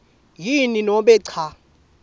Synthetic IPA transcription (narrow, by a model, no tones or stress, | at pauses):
jininɔɓɛǀʰa